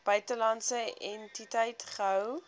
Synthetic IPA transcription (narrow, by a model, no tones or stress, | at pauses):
b̥œɥtəlɐntsəɛntitəjtχəɦəw